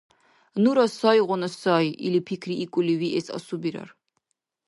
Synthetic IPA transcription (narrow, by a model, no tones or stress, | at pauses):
nuɾɐsɔjʁʷɔnɐsɔjḭlipʰikʰriːkʷʼʊliwiʔesa̰subiɾɐ̰r